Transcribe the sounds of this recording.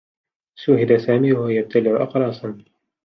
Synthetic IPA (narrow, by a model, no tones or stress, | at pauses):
ʃʊɦɪd̪asaːmiːwahajab̚t̪ʰalɪʕʊʔɑ̰qɾˤɑːsan